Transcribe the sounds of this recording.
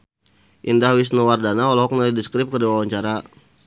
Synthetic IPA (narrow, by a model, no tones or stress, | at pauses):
ʔindahwis̬nɔwardanaɔlɔɦɔk̚nalidiskɾɪp̚kədiwawaɲt͡ʃaɾa